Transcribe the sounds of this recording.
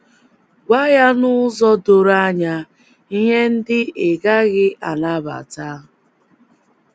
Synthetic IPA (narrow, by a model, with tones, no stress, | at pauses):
ɡʷa˦ja˦nʊ˦zɔ˦do˨ɾa˦ɲa˦ | i˦ɦe˦n̩˦dɪ˦e˨ɡa˦ɣɪ˦ʔa˨na˦ba̰˨ta˦